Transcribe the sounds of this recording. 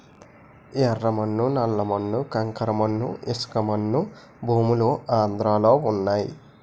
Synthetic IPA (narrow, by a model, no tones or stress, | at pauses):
ɛrːɐmɐnːunɐlːɐmɐnːukɐŋkɐɾɐmɐnːṵiskɐmɐnːu | bʱuːmuluaːnd̪ɾaːlo̞ːunːaːjḭ